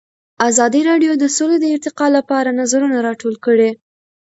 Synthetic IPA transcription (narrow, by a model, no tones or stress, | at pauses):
azɑd̪iɾɑɖjod̪əsoled̪əɪɾt̪ɪqɑlapɑɾanazaɾunaɾɑʈolkəɽe